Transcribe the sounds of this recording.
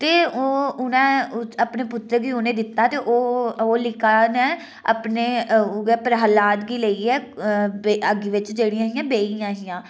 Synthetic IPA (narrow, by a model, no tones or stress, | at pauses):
t̪eːoːʊnɛ̃ːəpneːpʊt̪ːɾəɡiːʊnẽːd̪ɪt̪ːaːt̪eːʔoːoːlɪkaːnɛ̃ː | ə̰pneːɡɛːpəɾɦəlaːt̪ɡiːləiːɛːeəɡiːʋɪt͡ʃd͡ʒeːɽijãːɦɪjãːbeːijãːɦɪjãː